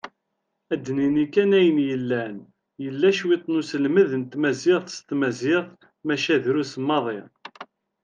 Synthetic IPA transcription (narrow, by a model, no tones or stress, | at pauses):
æd̪ːninikænæjənjəlːæn | jəlːæʃwit̪ˤːnusəlməðənt̪mæzɪʁθst̪mæzɪʁθ | mæʃæðɾusəmːɑðˤɪ